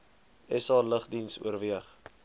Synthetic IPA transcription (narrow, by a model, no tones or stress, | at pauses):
ɛsɑːləχdinsṵərviəχ